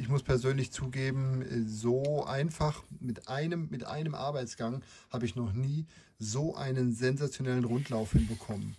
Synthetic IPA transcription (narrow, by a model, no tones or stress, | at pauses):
ʔɪçmʊspʰɛɐzøːnlɪçt͡suːɡeːbm̩ɛzoːʔa̰ɪnfaχmɪtʔaɪnəmːɪtʔa̰ɪnəmʔa̰ɐbaɪt͡sɡ̥aŋ | haːbəɪçnɔχniː | zoːʔa̰ɪnənzɛnzat͡sjonɛlənʁʊntʰlaʊfhɪnbəkʰɔmən